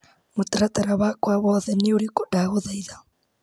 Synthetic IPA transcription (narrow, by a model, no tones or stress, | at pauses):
motaɾataɾaβakwaβɔːðɛnioɾikodaɣoðaiða